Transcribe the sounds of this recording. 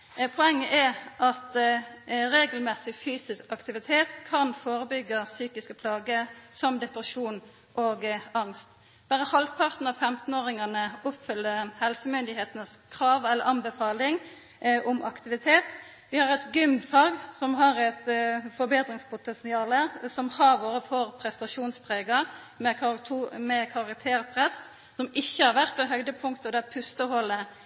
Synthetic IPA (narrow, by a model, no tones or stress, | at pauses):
pʰʊɛŋːəʔɛʁʔɑt̪ | ɾeːɡəlmɛsɪfyːsɪskɑkt̪ɪʋɪt̪ʰeːt̪kʰɑnfoːɾəbʏɡːəsyːkɪskəpʰlɑːɡəsɔmd̪ɛpʁəʃuːn | ʔoːɡɑŋst̪ | b̥æːʁəhɑlpʰɑʁt̪n̩ɑʋfɛmt̪n̩oːʁɪŋɑnəʊpfʏlːəhɛlsəmʏnd̪ɪɦeːt̪nəskʰɾɑːʋɛlːəɾɑnbəfɑːlɪŋ | ʔɔmɑkt̪ɪʋɪt̪ʰeːt̪ | ʋɪhɑʁɛt̪ɡʏmfɑːɡsɔmɦɑʁɛt̪fɔɾbeːd̪ʁɪŋspʰʊt̪ɛnsɪɑːləsɔmhɑɾʋoːɾəfɔʁpʰɾɛst̪ɑʃuːnspʰʁeːɡə | mɛ | mɛkʰɑʁɑk̚t̪ʰeːʁpʰʁɛs | sɔmɪçːəhɑɾʋæʁt̪ɛɦœʏd̪əpʰʊŋkt̪ɔd̪æpʰʉst̪əhɔlə